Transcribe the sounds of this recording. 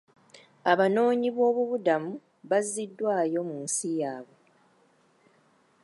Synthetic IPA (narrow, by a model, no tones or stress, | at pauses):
aβano̞ːɲiβo̞ːβuβudamu | βazːidːwaːjo̞munsijaːβe̞